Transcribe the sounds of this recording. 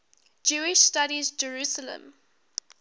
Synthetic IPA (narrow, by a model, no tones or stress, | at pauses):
d͡ʒuːɪʃstaɾizd͡ʒəɹusələ̰̃m